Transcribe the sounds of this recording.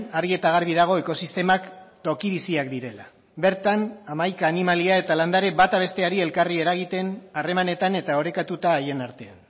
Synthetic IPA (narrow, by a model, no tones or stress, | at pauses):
aɾɣie̞t̪aɣaɾβ̞ið̞aɣ̞o̞e̞ko̞sist̪e̞makt̪o̞kiβisiakd̪iɾe̞la | be̞ɾt̪anamajkaːnimaliae̞t̪aland̪aɾe̞βat̪aβ̞e̞st̪e̞aɾie̞lkarie̞ɾaɣ̞it̪e̞nare̞mane̞t̪ane̞t̪ao̞ɾe̞kat̪ut̪aːje̞naɾt̪e̞an